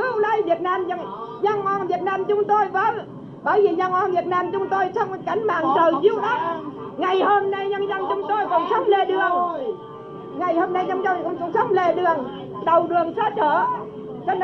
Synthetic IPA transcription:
kɨ˧˦wlə˧jvi˨˩ət̚naː˧mə˧ŋɲa˧ŋʔɔ˧˩nvi˨˩ət̚naː˧mt͡ɕʊ˨˦ŋ͡mt̪o˧jvəː˨˦n | ɓəː˧˩jvi˨˩ɲa˧ŋʔɔ˧nvi˨˩ət̚naː˧mt͡ɕʊ˨˦ŋ͡mt̪o˧jt͡ɕɔ˧wŋ͡mka˨˧˩jŋ̟ma̰ː˨ŋzəː˨˩jzi˧əwɗə˦˥ | ŋa˨˩jho˧mna˧jɲə˧nzə˧ŋt͡ɕʊ˨˦ŋ͡mt̪o˧jkɔ˧˩nsə˦˥wk͡p̚le˨˩ɗɨ˨˩əŋ | ŋa˨˩jhoː˧mna˧jɲə˧nzə˧ŋkʊ̰˧˥˦ŋ͡mkɔ˧˩nsə˦˥k͡p̚le˨˩ɗɨ˨˩əŋ | ɗə˨˩wɗɨ˨˩əŋsə˦˥t̚ɗəː˧˩ | t͡ɕə˧˦n

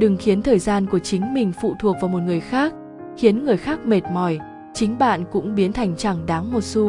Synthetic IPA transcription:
ɗɨ˨˩ŋxi˨˦ənt̪ʰəː˨˩jzaː˧nku˧˩ət͡ɕï˨˦ŋ̟mï˨˩ŋ̟fṵ˧˨t̪ʰu˨˩ək̚vaː˨˩wmo˨˩t̚ŋɨ˨˩əjxaː˦˥k̚ | xi˨˦ənŋɨ˨˩əjxaː˦˥k̚me˨˩t̚mɔ˨˩j | t͡ɕï˨˦ŋ̟ɓa̰ː˧˨nkʊ̰˧˥ŋ͡mɓi˨˦ənt̪ʰa˨˩jŋ̟t͡ɕa˧˩ŋɗaː˨˦ŋmo˨˩t̚su˧

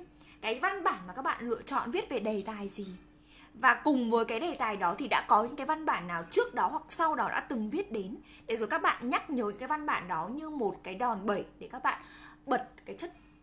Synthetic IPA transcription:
kaː˨˦jva˧nɓaː˧˩nmaː˨˩kaː˦˥k̚ɓa̰ː˧˨nlɨ̰˧˨ət͡ɕɔ̰˧˨nvi˦˥ət̚ve˨˩ɗe˨˩t̪aː˨˩jzi˨˩ | vaː˨˩kʊ˨˩ŋ͡mvəː˨˦jkaː˨˦jɗe˨˩t̪aː˨˩jɗɔ˨˦t̪ʰi˨˩ɗa̰ː˧˥kɔ˨˦ɲɨ̰˧˥ŋkaː˨˦jva˧nɓaː˧˩nːaː˨˩wt͡ɕɨ˦˥ək̚ɗɔ˨˦ɦwa˨˩k̚sa˧wɗɔ˨˦ɗa̰ː˧˥t̪ɨ˨˩ŋvi˦˥ət̚ɗe˨˦n | t̪ʰe˨˦zo˨˩jkaː˦˥k̚ɓa̰ː˧˨nɲa˦˥k̚ɲəː˨˦ɲɨ̰˧˥kaː˨˦jva˧nɓa̰ː˧˩nɗɔ˨˦ɲɨ˧mo˨˩t̚kaː˨˦jɗɔ˨˩nɓə˧˩jɗe˧˩kaː˦˥k̚ɓa̰ː˧˨nɓə˨˩t̚kaː˨˦jt͡ɕə˦˥t̚

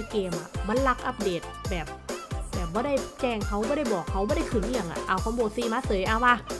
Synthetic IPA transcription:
keː˧mʔa̰˨˩ma˧˥nla˦˥k̚ʔa˧˥p̚deː˨˩t̪̚bɛː˨˩p̚bɛː˨˩p̚bɔː˧˦ɾa˥˩jt͡ɕɛː˧˩ŋkʰa˦˥wbɔː˧˥˦ɾa˥˩jbɔː˨˩kʰːa˦˥wbɔː˧˦ɾa˥˩jkʰɯː˨˩˦nʔi˧ja˨˧˩ŋʔa̰˨˩ʔa˧˩wkʰa˧˥˦mboː˨˩siː˧maː˧˥sɤː˨˦jʔaː˧˩waː˧

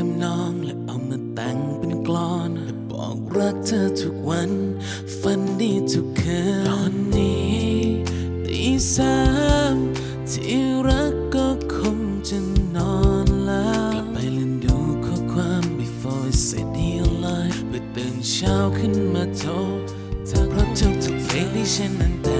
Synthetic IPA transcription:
a˧mnɔː˧ŋlɛ˧ʔa˧˩wmaː˧t̪a˧˩ŋpe˧nklɔː˧˥nɛ˧˦bɔ̰ː˨˩k̚ɾa˦˥k̚t̪ʰə˧t̪ʰu˧k̚wa˧˥n | fa˧ndi˧˩t̪ʰu˧kʰːəː˨˧˦nːi˧˥ | t̪i˨˦saː˧m | t̪ʰi˨˦ɾa˦˥kːɔ˧˩kʰo˧ŋ | t͡ʃɨ˧nnɔ˧nla˧˦pa˨˧jli˧ndu˨˩kʰɔ˧˦kʰwaː˧˥mbi˧fɔː˧se˨˩di˧˩ə˧la˧˥jfbɨ˨˧˩t̪ɨ˨ŋsaː˧wkʰɯ˥˨nmaː˧t̪ʰo˧˥ | tʰa˨˧˩k̚ɾa˧˥t̪ʰʊ˧˩k̚t̪ʰu˨˩k̚fe˨˧˦li˧sɛ˧nʔa˨˧nt̪a˧˦

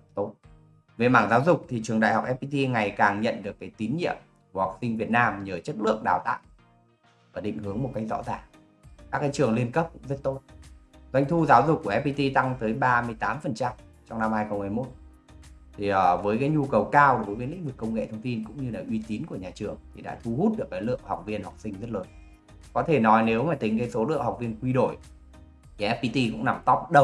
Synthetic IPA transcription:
t̪o˦˥t̚ | ve˨˩maː˧˩ŋzaː˨˦wzʊ˨˩k͡p̚t̪ʰi˨˩t͡ɕɨ˨˩əŋɗa̰ː˧˨jhɔ˨˩wk͡p̚ʔɛ˦˥p̚i˧t̪i˧ŋa˨˩jkaː˨˩ŋɲə̰˧˨nɗɨ˨˩əkːaː˨˦jt̪i˨˦nɲḭ˧˨əm | ku˧˩hwa˨˩k̚sï˧ŋ̟vi˨˩ət̚naː˧mɲəː˨˩t͡ɕə˦˥t̚lɨ̰˧˨əŋɗaː˨˩wt̪a̰ː˧˨ | vəː˨˩ɗḭ˧˨ŋ̟hɨ˨˦əŋmo˨˩t̚ka˥jk̚zɔ̰˧˥zaː˧˨˩ŋ | kaː˦˥k̚kːaː˨˦jt͡ɕɨ˨˩əŋli˧ənkə˦˥p̚kʊ̰˧˥ŋ͡mzə˦˥t̚t̪o˦˥t̚zwa˧jŋ̟t̪ʰu˧zaː˨˦wzʊ˨˩k͡p̚kːu˧˩əʔɛ˧˥pi˧t̪i˧t̪a˧ŋt̪əː˨˦jɓaː˧mɨ˧əjt̪aː˨˦mfə˨˩nt͡ɕa˧m | t͡ɕɔ˧ŋ͡mna˧mhaː˧jxə˧wŋ͡mmaː˧˩jmo˦˥t̚ | t̪ʰi˨˩ʔəː˨˩vəː˨˦jkaː˨˦jɲu˧kə˨˩wkaː˧wɗo˩˨˩jəː˨˦lḭ˧˥ŋ̟vɨ˨˩kːə˧wŋ͡mŋḛ˧˨t̪ʰə˧wŋ͡mt̪i˧nkʊ̰˧˥ŋ͡mɲɨ˧laː˨˩ʔwi˧t̪i˨˦nku˧˩əɲaː˨˩t͡ɕɨ˨˩əŋt̪ʰi˨˩ɗa̰ː˧˥t̪ʰu˧hu˦˥t̚ɗɨ˨˩ək̚kaː˨˦lɨ̰˧˨əŋha˨˩wk͡p̚vi˧ənha˨˩wk͡p̚sï˧ŋzə˦˥t̚ləː˨˦n | kɔ˨˦t̪ʰe˧˩nɔ˨˦jne˨˦wmaː˨˩t̪ï˨˩ŋ̟kaː˨˦jso˨˦lɨ̰˧˨əŋha˨˩k͡p̚vi˧ənkwi˧ɗo̰˧˩j | t̪ʰi˨˩ʔɛ˦˥p̚pi˧t̪i˧kʊ̰˧˥ŋ͡mna˧˩mt̪ɔ˦˥p̚ɗə˧w

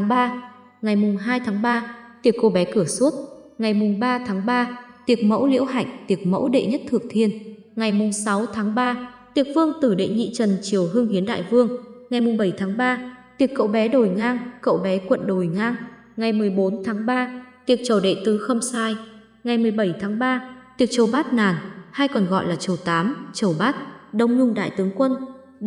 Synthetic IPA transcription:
ŋɓaː˧ | ŋa˨˩jmʊ˨˩ŋ͡mɦaː˧jt̪ʰaː˨˦ŋɓaː˧t̪i˨˩ək̚kːo˧ɓɛ˨˦kɨ˧˩əsu˦˥t̚ŋa˨˩jmʊ˨˩ŋ͡mɓaː˧t̪ʰaː˨˦ŋɓaː˧t̪i˨˩ək̚mə̰˧˥wlḭ˧˥əwɦa̰˧˨jŋ̟t̪i˨˩ək̚mə̰˧˥wɗḛ˧˨ɲə˦˥t̚t̪ʰɨ˨˩ək̚t̪ʰi˧ən | ŋa˨˩jmʊ˨˩ŋ͡msa˨˦wt̪ʰaː˨˦ŋɓaː˧t̪i˨˩ək̚vɨ˧əŋt̪ɨ˧˩ɗḛ˧˨ŋḭ˧˨t͡ɕə˨˩nt͡ɕi˨˩əwɦɨ˧əŋhi˨˦ənɗa̰ː˧˨jvɨ˧əŋŋa˨˩jmʊ˨˩ŋ͡mɓə˧˩jt̪ʰaː˨˦ŋɓaː˧t̪i˨˩əkːə̰˧˨wɓɛ˨˦ɗo˨˩jŋaː˧ŋkə̰˧˨wɓɛ˨˦kwə̰˧˨nɗo˨˩jŋaː˧ŋ | ŋa˨˩jmɨ˨˩əjɓo˨˦nt̪ʰaː˨˦ŋɓaː˧t̪i˨˩ək̚t͡ɕə˨˩ɗḛ˧˨t̪ɨ˨˦xə˧wŋ͡msaː˧j | ŋa˨˩jmɨ˨˩əjɓə˧˩jt̪ʰaː˨˦ŋɓaː˧t̪i˨˩ək̚t͡ɕə˨˩wɓaː˦˥t̚naː˨˩nhaː˧jkɔ˨˩nɣɔ̰˧˨jlaː˨˩t͡ɕə˨˩wt̪aː˨˦mt͡ɕə˨˩wɓaː˦˥t̚ɗə˧wŋ͡mɲʊ˧ŋ͡mɗa̰ː˧˨jt̪ɨ˨˦əŋkwə˧n

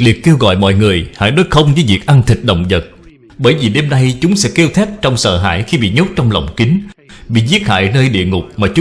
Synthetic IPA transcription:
li˨˩ək̚ke˧wɣɔ̰˧˨jmɔ̰˧˨jŋɨ˨˩əjha̰ː˧˩jɗoː˨˦jxə˧wŋ͡mvəː˨˦jvi˨˩ək̚ʔa˧nt̪ʰï˨˩t̟̚ɗə̰˧˨wŋ͡mzə˨˩t̚ | ɓəː˧˩jvi˨˩ɗe˧mɗa˧jt͡ɕʊ˨˦ŋ͡msɛ̰˧˥ke˧wt̪ʰɛ˦˥p̚t͡ɕɔ˧wŋ͡msə̰ː˧˨ɦa̰ː˧˩jxi˧ɓḭ˧˨ɲo˦˥t̚t͡ɕɔ˧wŋ͡mlə̰˧˨wŋ͡mkï˨˦ŋɓḭ˧˨zi˦˥ət̚ha̰ː˧˨jnəː˧jɗḭ˧˨əŋʊ˨˩k͡p̚maː˨˩t͡ɕʊ˨˦

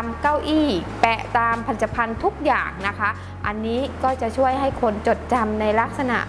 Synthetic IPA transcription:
mka˥˩wʔiː˥˩pɛ˨˩ʔt̪aː˧mpʰa˧li˨˩t̪ːa˧pʰa˧nt̪ʰu˦˥k̚jaː˨˩ŋna˦˥kʰa˦˥ʔ | ʔa˧nːiː˦˥kɔː˥˩t͡ɕa˨˩t͡ɕʰu˥˩əjɦa˥˩jkʰo˧nt͡ɕo˨˩t̪̚t͡ɕa˧mna˧jla˦˥k̚sa˧na̰˨˩ʔ

